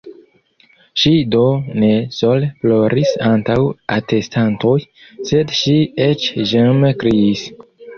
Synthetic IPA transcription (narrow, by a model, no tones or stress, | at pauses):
ʃido̞ne̞soleplo̞ɾisantawate̞stanto̞jse̞dʃiet͡ʃʒamkɾiis